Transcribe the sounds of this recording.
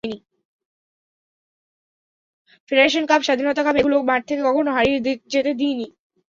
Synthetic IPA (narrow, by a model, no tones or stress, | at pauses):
ni | feɖaɾeʃ̬onkabʃad̪ʱinot̪akabeɡulobãʈ̚t̪ʰekekɔkʰonoɦaɾiɾd͡ʑet̪ed̪ini